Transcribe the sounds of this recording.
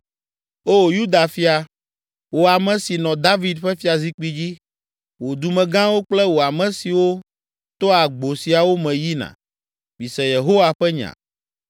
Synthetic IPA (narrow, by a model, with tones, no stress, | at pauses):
o˦˨ju˦d̪a˨fi˦a˨ | wo˨a˨mɛ̃˨˦si˨nɔ̃˨d̪a˦vi˨d̪ɸɛ˦fi˦a˨zi˦k͡pi˦d͡ʑi˦ | wo˨d̪u˨mɛ̃˨ɡã˦wo˦k͡plɛ˦wo˨a˨mɛ̃˨si˨wo˦ | t̪o˦a˨ɡ͡bo˨si˨a˨wo˦mɛ̃˨ji˦nã̰˨ | bi˨sɛ˨je˨ɦo˦wa˨ɸɛ˦ɲã̰˨